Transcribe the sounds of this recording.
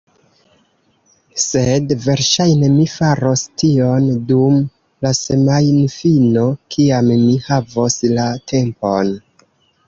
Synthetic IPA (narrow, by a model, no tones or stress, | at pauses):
se̞dve̞ɾʃajne̞mifaɾo̞stio̞ndum | lase̞majnfino̞kʰiamːihavoslatʰe̞mpo̞n